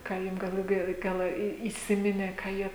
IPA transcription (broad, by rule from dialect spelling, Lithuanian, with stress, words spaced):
ˈkɑː ˈjʊm ɡɐlˠ lˠɐˈbʲɛʊ ˈɡɐlˠ iː iːˈsʲɪmʲɪnʲeː kɑː ˈjiɛ